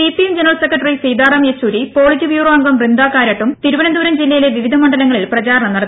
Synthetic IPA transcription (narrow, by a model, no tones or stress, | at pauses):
ipijemd͡ʑenɐrɐɭsekːrɐʈːɐrisiːd̪aːɾɐːmjet͡ɕːuːɾipo̞ːɭitːiʋjuːroɐŋɡɐmrind̪aːkːaːɾɐʈːumt̪iɾuʋɐnɐnd̪uːɾɐmd͡ʑilːɐjile̞ʋiʋid̪ʱɐmɐɳɖɐlɐŋːɐɭilprɐt͡ɕaːɾɐɳɐmnɐɽɐt̪ːi